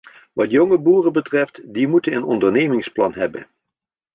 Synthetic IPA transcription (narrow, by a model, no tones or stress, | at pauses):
ʋɑtjɔŋəbuːrəbətrɛftdimutənənɔ̰ndəɹneːmɪŋsplɑnɦɛbə̰n